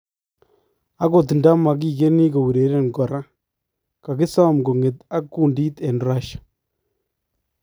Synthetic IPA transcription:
a˦ko˨ti˨nda˦ma˨k̬i˨ɡe˦ni˦ɡo˨wu˨ɾe˨˦ɾe˦nɡɔ˨ɾa˦ | ka˨ɡɪ˦sa˦˨mɡo˨ŋe˨ta˦kːu˦ndi˦tɛ˨nɾa˦ʃḁ˨

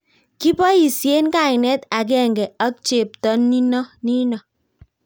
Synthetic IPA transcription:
ki˦pɔ˦i˨sje˦nka˦˨ɪ˨nɛ˦ta˨k̬ɛ˦˨ŋɡɛ˨a˦k̚t͡ʃe˨p̚tɔ˦nːi˦nɔ˦ni˦nɔ˨

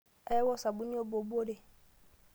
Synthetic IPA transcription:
ɛ˦wɔ˦sa˨bu˦nĩ˦o˦bo˨bo˦de˨

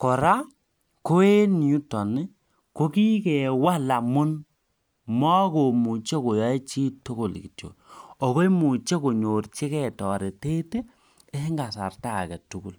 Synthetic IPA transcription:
kɔ˨ɾa˦ | ko˦e˦ni˨u˦tɔ˨ni˦ | ko˦ki˦kɛ˨wa˦la˨mʊ˦n | mɔ˦ko˨mu˨t͡ʃe˦ko˨jɔ˨˦e˦t͡ʃi˦tu˦ko˨l̰ki˨tjo̰˨ɔ˨ko˦i˦mu˨t͡ʃe˦ko˨ɲo˨rt͡ʃi˦kɛ˦˨tɔ˨ɾe˨te˦te˦ | e˦ŋɡa˨sa̰˨rta˦˨kɛ˨tu˦ku˦˨l

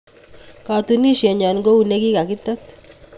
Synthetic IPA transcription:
ka˨tu˨ni˦ʃjɛ˨ɲa˨nŋɡo˦u˨ne˦ki˦ka˨kɪ˦t̪a˦t̪

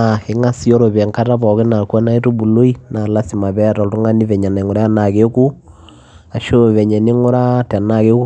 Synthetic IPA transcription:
a˨e˨˦ŋa˦si˦ɔ˦ɾo˨βɛ˨ŋka˦ta˦βɔ˨ke˦na˨ka˦na˦e˦to˦bu˨lo˦i˦na˨la˦si˨ma˨βɛ˦˨tɔ˨ltu˦ŋa˦ni˦βɛ˨ɲa˨na˨ŋo˨ɾa˦ja˦na˨ke˦ku˦ | a˨ʃo˦βɛ˨ɲɛ˨ni˦ŋo˦ɾa˦ta˨na˦ke˦ku˦

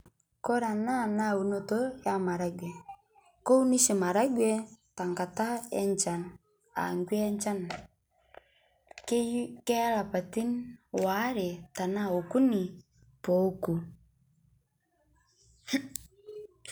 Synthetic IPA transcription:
kɔ˦ɾa˨na˦˨na˦˨u˨no˨to˦ja˦ma˨ɾa˦ɡwɛ˨ | ko˦u˦ni˦ʃɛ˨ma˨ɾa˦ɡwɛ˦ta˨ŋɡa˨ta˦ɛ̰˦nt͡ʃa˨n | a̰˨ŋɡwɛ˦ɲt͡ʃa˦n | kkɛ˦a˦la˨pa˨ti˦nwa˨˦ɾe˨ta˨na˦o˨ku˦ni˨ | po˨˦ku˨

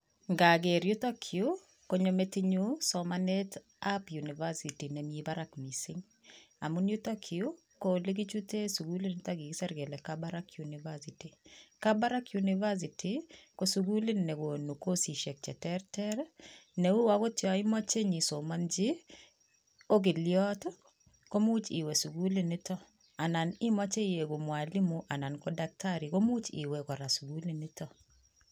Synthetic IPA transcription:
ŋɡa˨ɡe˨ɾju˦tɔ˦kʰio | ko˨ɲomɛ˦tɪɲusɔmanɛt | apjuniva˦siti˨nɛmi˦ibaɾakmisɪ˦ŋ | a̰mu˦nju˦tɔkʰi˨o | kole˦ɡi˦t͡ʃu˦te˦su˨ɡu˦li˦ntaɡi˨ɡi˦sɛ˦ɾɡɛ˨lɛkabaɾakjunivasiti˨kaba˦ɾa˦kjuniva˦s̬itʰiko˨su˨ɡu˦li˦nnɛ˨ko˨nu˨ko˦si˨ʃɛ˨k̚t͡ʃɛ˨tɛɾtɛɾnɛ˨u˦wa˨ko˦tɪɔ˨ɪ˦mɔ˦t͡ʃe˦ɲi˨so˨mand͡ʒɪ˦ | o˦ɡ̬ɪ˨ljɔ˦tɔ˦ | ko˦mu˦t͡ʃḭ˨wɛ˨su˨ɡu˦li˦nɪ˦tɔ˦ | a˨na˨nɪ˦mɔ˦t͡ʃe˦je˨ɡo˨mwa˨li˦mu˨ʔa˨na˨nkɔ˦da˦k̚tʰaɾi˨ko˦mu˦t͡ʃḭ˨wɛ˨kɔ˨ɾa˨su˨ɡu˦li˦nɪ˦tɔ˨

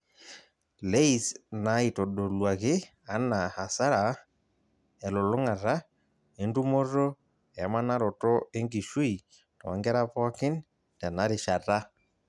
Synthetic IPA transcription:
le˦i˨sna˨i˨to˨ɗo˨lwa˨kɪ˦ | a˨˦na˨a˨sa˦ɾa˨ | ɛ˨lʊ˨lʊ˦ŋa˨ɾa˦ | e˦ndu˦mo˦ro˦ | ɛ˨˦ma˦na˦ɾɔ˨tɔ˦e˦ŋɡi˨ʃu˦i˨ | tɔ˨˦ŋɡɛ˦ɾa˦pɔ˦kɪ˦n | tɛ˨na˦ɾɪ˨ʃa˨ta˦

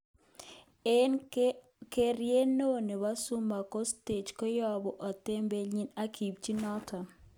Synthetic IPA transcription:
ke˦˨ɾje˦no˦ne˨wa˦sʊ˦ma˨kɔ˦ste˨d͡ʒkɔ˦jɔ˦bɔ˨ʔɔ˨te˦mbe˦lɲi˦na˦kʰi˨b̚t͡ʃi˦nɔ˦tʰa˨

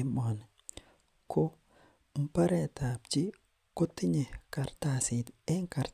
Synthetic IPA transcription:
mɔ˨n | ko˦ | m̩˦pa˦ɾɛ˦ta˨p̚t͡ʃɪ˦ | ko˦t̪ɪ˦ɲe˨ka˨ɾta˨sɪ˨t̪ɛ˦ŋka˨ɾ

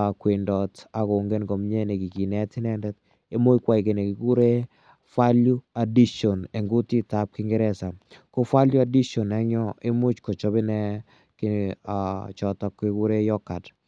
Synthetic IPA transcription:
kwe˨ndɔ˨ta˨ko˨ŋɡe˦nkɔ˨mɲɛ˦ne˨ki˨ki˨nɛ˦tɪ˦nɛ˦ndɛ˦t | e˦mʊ˦kwa˦jke˨ne˨ki˨ku˦ɾe˦ | fa˦lju˦a˨di˦ʃɔ˨ne˨ŋɡo˦ti˦ta˦p̚kɪ˦ŋɡɛ˦ɾɛ˦sa˨ko˦fa˦lju˦a˨di˦ʃɔ˨nɛ˦ɲɔ˦e˦mʊ˦t͡ʃkɔ˨t͡ʃɔ˦bɪ˦nɛ˦ | kɪ˨at͡ʃɔ˨tɔ˨kːi˦ku˦ɾe˦jɔ˦ka˨t

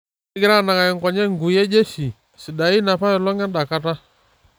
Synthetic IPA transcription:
ɡi˦ɾa˦˨na˨ŋa˨ɛ˨ŋ˨kɔ˨ɲɛ˦ŋɡu˨jɛ˦d͡ʒɛ˦ʃi˨ | si˨ɗa˨i˦na˨pa˦jɔ˨lɔ˦ŋɛ˦n˦ɗa˨ka˦ta˦

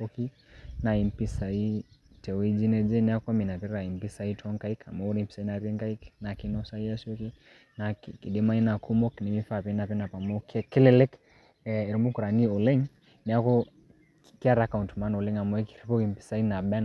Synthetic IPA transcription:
ki˦ | na˨i˨mpi˦sa˨i˦tɛ˨wi˦d͡ʒi˦nɛ˦d͡ʒɛ˦nia˦ka˦mi˨na˨pɛ˦ɾɾa˨i˨mpi˦sa˦i˦tʰɔ˦ŋka˦i˦ka̰˨mɔ˦ɾi˦mpi̥˨sa˨i˦na˨ɾi˦ŋka˦ikna˨ki˦nɔ˦sa˦i˦a˦suki˦ | na˨kki˨ɗi˦ma˦i˦na˨ku˦mɔ˦kni˨mi˦fapɛ˦na˨pɛ˦na˨pa˨mɔ˦kʰɛ˦kɛ˦lɛlɛ˦k | ɛ˨ɾmu˦ku˨ɾa˨ni˦ɔ˨lɛ˦ŋ | nia˦kɔ˦ | ki˦a˦ɾaka˨untma˦nɔ˨lɛ˦ŋa˨mɔ˨ɛ˦kiɾi˦pɔ˦ki˨mpi̥˨sa˨i˦na˨ɓɛ˦

